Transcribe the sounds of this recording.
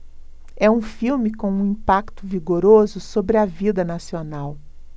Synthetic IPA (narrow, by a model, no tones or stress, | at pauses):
ɛũfiwmɪkõũĩpakt̪ʊviɡoɾozʊsobɾɪɐvid̪ɐnasionaw